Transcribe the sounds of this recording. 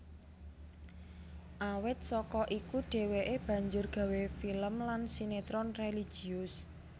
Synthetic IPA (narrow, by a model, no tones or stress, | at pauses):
ʔawɪt̪̚sɔkɔʔikuɖ̥e̤weʔeb̥ä̤ɲd͡ʒʊrɡ̥ä̤wefiləmlansinet̪ɾɔnreli̥ʒ̥i̤ʊs